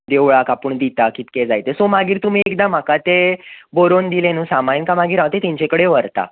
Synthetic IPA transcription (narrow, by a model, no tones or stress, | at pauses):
d̪eʋɭakapəɳd̪it̪akit̪ked͡zajt̪esomaɡiːɾt̪um̤iːekd̪ãm̤akat̪eboɾond̪ilenuːsamajnkamaɡiːɾaʋt̪et̪iɲt͡ɕekəɽeʋəɾt̪a̰